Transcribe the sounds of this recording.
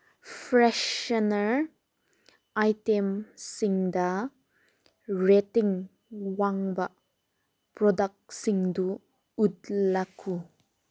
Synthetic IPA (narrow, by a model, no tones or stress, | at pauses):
fɾɛʃənəɾ | ajtemsiŋda | ɾetiŋ | waŋba | pɾɔdak̚siŋdu | udlakʰu